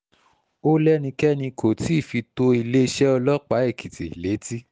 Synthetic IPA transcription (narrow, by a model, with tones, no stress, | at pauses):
o˦lɛ˦nĩ˧kɛ˦nĩ˧kʰo˨ti˨˦i˦˨fi˧to˧i˧le˦i˧ʃɛ˦ɔ˧lɔ˦k͡pa˨˦e˦˨kʰi˨tḭ˨le˨˦ti˦